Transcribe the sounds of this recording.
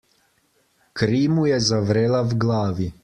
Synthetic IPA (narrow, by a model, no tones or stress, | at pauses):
kɾiːmujɛzaʋɾeːlawɡlaːʋi